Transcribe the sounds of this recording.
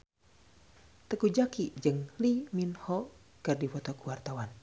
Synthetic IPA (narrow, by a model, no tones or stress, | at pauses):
t̪əkud͡ʒakid͡ʒɨŋliminhɔ | kɨrdifɔt̪ɔkuwart̪awan